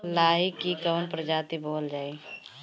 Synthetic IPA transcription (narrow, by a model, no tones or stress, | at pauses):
laːjikːikəːnpɾəd͡ʒaːt̪iboːld͡ʒaːi